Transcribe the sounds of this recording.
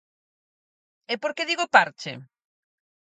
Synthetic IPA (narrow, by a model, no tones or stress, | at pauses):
epoɾkeðiɣopaɾt͡ʃḛ